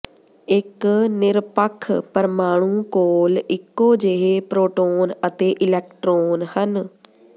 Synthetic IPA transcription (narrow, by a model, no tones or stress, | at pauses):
ɪknɪɾpəkʰːpəɾmaːɽ̃ũːkoːlɪkːoːd͡ʒeɦeːpɾoːʈoːnət̪eːʔɪlɛːk̚ʈɾoːnhən